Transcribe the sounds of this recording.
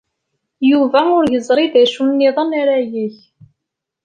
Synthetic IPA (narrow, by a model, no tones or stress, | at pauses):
juvæʊɾjəzˤɾˤid̪æʃunnːiðˤənaɾæjiç